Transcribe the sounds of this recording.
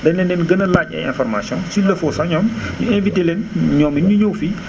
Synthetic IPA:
dɛnɛnɛnɡənəlaːcɛ̰ɛ̰nfɔɾmasjɔ̃nsilːəfɔsaɲɔmɲuɛ̃nvitelɛnɲɔminɲuɲowfi

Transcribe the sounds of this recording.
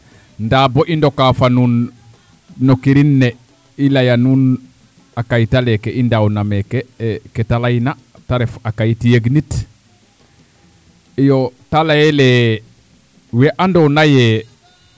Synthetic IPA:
ndaboʔindokafanunː | okiɾinːe | ilajanun | akajitalekeʔindawnamekeketalajina | taɾefakajitijeɡnit | ijotalajele | weʔandonaje

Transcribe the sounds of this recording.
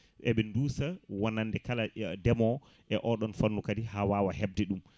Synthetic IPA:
ʔɛɓɛnduːsawanːandɛkaladɛmɔ | ʔɛʔɔɗɔnfanːukadihawaːwahɛb̚dɛɗum

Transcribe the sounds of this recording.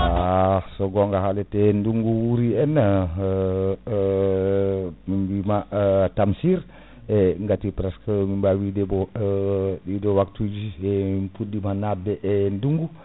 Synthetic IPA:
asoɡɔŋɡaɦalɛtenduŋɡuwuɾiɛn | mimbimatamsiɾ | ɛŋɡatipɾaskəmimbawidebo | didowak̚tud͡ʒiɛmpudimanat̚beʔenduŋɡu

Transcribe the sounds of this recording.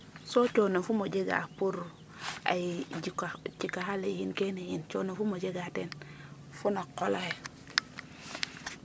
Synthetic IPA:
sot͡ʃonafumod͡ʒeɡa̰puɾ | a̰id͡ʒikat͡ʃikaɦalejinkenejint͡ʃo̰nafumod͡ʒeɡaten | funakolahe

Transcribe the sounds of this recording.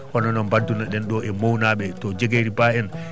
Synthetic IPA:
ʔɔnɔnɔmbadːunaɗɛnɗɔʔɛmownaːɓɛtɔd͡ʒeɡeɾibaɛn

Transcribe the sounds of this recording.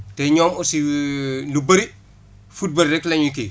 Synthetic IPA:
tɛɲɔːmɔsilubɐɾi | fut̚bɐɾɾɛklɐɲukḭ

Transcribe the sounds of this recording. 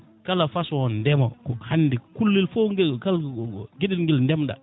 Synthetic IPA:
kalafaswondɛmo̰kuhandikulːilfoŋkalɡidinŋɡilndɛmda̰

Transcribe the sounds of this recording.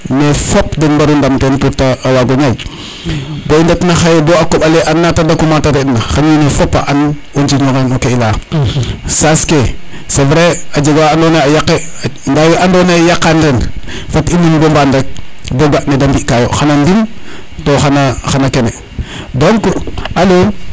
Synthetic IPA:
mefopdenbaɾundamtentutaːwaɡoɲaj | boindetnaxajeboakoɓaleʔanːatadakumataɾetnaxaninefopːa̰ʔan | ont͡ʃiɲoŋenokaila | saske | sevɾead͡ʒeɡaandonaajakːendajoʔandonajakːanɾen | fatininbombandek̚boɡaʔnedambiʔkajoxanandim | toxanaxanakene | doŋkualo

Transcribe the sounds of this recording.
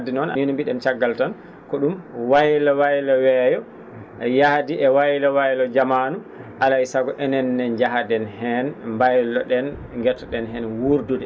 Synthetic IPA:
dinɔna̰ninmbiɗɛmt͡ʃaɡːaltan | kɔɗumwajlawajlɔwɛjɔ | jahdiʔɛwajlawajlɔd͡ʒamanu | ʔalaisaɡɔʔɛnɛnːɛnd͡ʒaɦadɛnhɛnmbajlɔɗɛnŋɡɛtːɔɗɛnɦɛnwuɾdudɛ

